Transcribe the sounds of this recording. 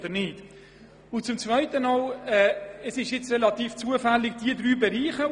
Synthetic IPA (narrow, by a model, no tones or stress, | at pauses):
d̥̪əɾnɪd̥ | ʊnt͡sʊmt͡svœɪtənɑːlɛːəsɪʃjɪt͡srɛlɑt̪iːft͡suəfælːɪɡ̚d̥iəd̪ɾyːbɛɾiːχə